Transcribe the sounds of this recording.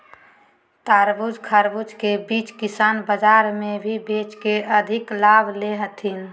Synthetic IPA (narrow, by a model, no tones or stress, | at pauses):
t̪aɾbud͡ʒkʰaɾbud͡ʒkebit͡ʃkisaːnbəd͡ʒaɾmebʱibet͡ʃkeəd̪ʱɪklabʱleɦət̪ʰin